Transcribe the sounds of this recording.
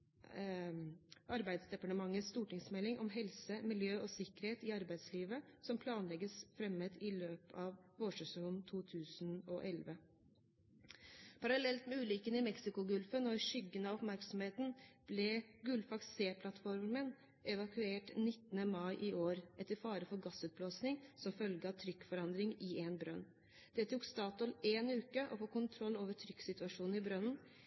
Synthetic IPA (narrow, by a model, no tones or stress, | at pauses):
ʔɑɾbæɪd̪sd̪ɛpɑʈəmɑŋːəst̪uːʈɪŋsmɛlːɪŋʔɔmɦɛlsəmɪljøːʔɔsɪkːəɾheːt̪ɪɑɾbæɪd̪sliːʋəsɔmpʰlɑːnlɛɡəsfɾɛməd̪ɪløːpɑːʋʋoːʂʉsɛʊnt̪ʰuːt̪ʰʉːsnɔʔɛlʋə | pʰɑɾɑlɛlt̪mɛʉːlɪkənɪmɛksɪkʊɡʉlfənɔɾʃʏɡənɑɔpmæɾksɔmheːt̪n̩b̥lɛɡʉlfɑkseːpʰlɑt̪fɔɾmən | ʔɛʋɑkʉeːʈnɪt̪ːənəmɑɪʔɪʔoːɾʔɛt̪ːəɾfɑːɾəfɔɾɡɑsːʉːt̪̚bloːsnɪŋsɔmfœlɡəɑʋt̪ʰɾʏkːfɔɾɑnd̪ɾɪŋɪenbɾœ̰nː | d̪̥ɛt̪ʰuːkst̪ɑːt̪ɔleːnʉːkəʔɔfoːkʊnt̪ʰɾɔlːoːʋəʈʰɾʏkːsɪt̪ʉɑʂuːn̩ɪbɾœnn̩